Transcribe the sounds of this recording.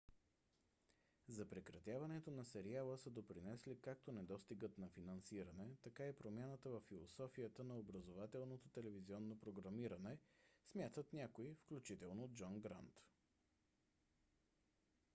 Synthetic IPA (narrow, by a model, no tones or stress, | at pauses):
zɐpɾɛkɾɐt̪ʲjavɐnɛt̪onɐsɛɾialˠəsəd̪opɾinɛslikak̚t̪onɛd̪ɔst̪iɡət̪nɐfinɐnsiɾɐnɛt̪ɐkaipɾomʲjanət̪əvɐfːilˠosɔfijət̪ənɐobɾɐzovat̪ɛlˠnot̪ot̪ɛlɛviziɔnːopɾoɡɾɐmiɾɐnɛsmʲjat̪ət̪nʲakoifklʲut͡ʃit̪ɛlˠnod͡ʒɔnɡɾa̰nt̪